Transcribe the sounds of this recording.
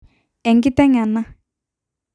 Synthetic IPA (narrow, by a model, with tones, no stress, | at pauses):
ɛ˨ŋɡi˦t̪ɛ˦ŋa˨nːa˦